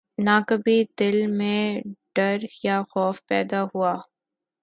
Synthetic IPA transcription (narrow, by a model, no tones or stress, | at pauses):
nakɐbid̪ɪlmẽɖ̥ɐɾjaxɔːfpɛːd̪aɦuaː